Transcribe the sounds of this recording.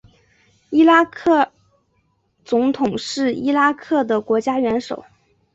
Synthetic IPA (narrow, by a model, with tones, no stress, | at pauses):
i˥la˥kʰɤ˥˩ | t͡sʊ˧˥ŋt̪ʰʊ˨˩ŋʂɻ̩˥˩i˥la˥kʰɤ˥˩d̪ə˩kwɔ˧˥t͡ɕja˥ɥɛ˧˥nʂo˨˩˦ʊ